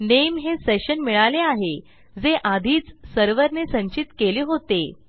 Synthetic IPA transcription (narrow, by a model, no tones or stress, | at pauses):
nemɦeseɕənmiɭaleaɦe | d͡zeʔad̪ʱiːt͡ssəɾʋəɾnesə̃ɲt͡ɕit̪keliːɦot̪e